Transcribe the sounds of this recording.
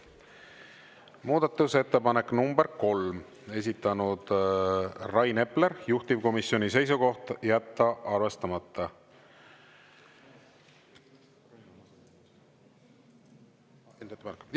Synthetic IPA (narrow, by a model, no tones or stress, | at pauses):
muːd̪̥ɑt̪ːˑuse̞t̪ːe̞pɑne̞kːnumbe̞ɾko̞lm | e̞s̬ʲit̪ːˑɑnud̪̥ | rɑjne̞ple̞ɾjuht̪ibko̞misjo̞nise̞js̬uko̞ht̪jæt̪ːɑʔɑrve̞st̪ɑmɑt̪ːˑɑ